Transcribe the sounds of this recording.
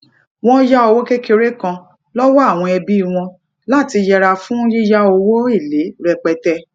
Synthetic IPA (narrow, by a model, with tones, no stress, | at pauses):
w̃ɔ̃˦ja˦o˧wo˦ke˦ke˧ɾe˦kã˧ | lɔ˦wɔ˦a˦˨w̃ɔ̃˧ɛ˧bi˦˨w̃ɔ̃˧ | la˦˨ti˧jɛ˧ɾa˧fũ˦ji˦ja˦o˧wo˦i˦˨le˨˦ɾɛ˧k͡pɛ˧tɛ˧˦